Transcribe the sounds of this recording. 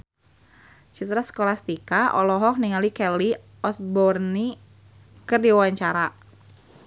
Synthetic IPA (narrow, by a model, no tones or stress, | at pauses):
t͡ʃit̪ɾasə̥kolast̪ikaʔɔ̰lɔɦɔk̚niŋalikɛli | ɔsbɔrni | kɨrdiwawaɲt͡ʃaɾa